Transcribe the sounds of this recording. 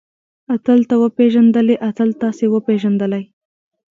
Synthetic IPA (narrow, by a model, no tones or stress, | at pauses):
at̪əlt̪awəpeʒand̪əleʔat̪əlt̪ɑsewəpeʒand̪əlaj